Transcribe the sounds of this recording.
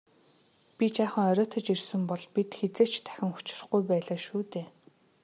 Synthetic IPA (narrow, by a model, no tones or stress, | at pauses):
pʲit͡ɕaːχə̆ŋɔɾʲɔːt̪ʰɞ̆t͡ɕirsɘ̆mpɔɮpit̪xet͡seːt͡ɕt̪ʰæ̥xʲɪ̆ŋxu̥t͡ɕɪ̥̆r̆χɡujpæːɮaːʃuːt̪eː